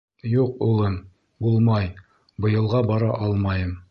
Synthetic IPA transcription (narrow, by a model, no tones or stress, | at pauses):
juqulˠɤm | bulˠmɑj | bɤ̆jɤ̆lˠʁɑbɑɾɑʔɑlˠmɑjɤm